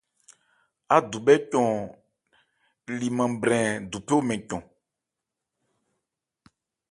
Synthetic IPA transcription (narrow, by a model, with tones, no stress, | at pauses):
a˨d̪u˨bɛ˦cɔ̃˨ | li˨mã˨bɾɛ̃˨d̪u˨pe˦o˦mɛ̃˨cɔ̃˨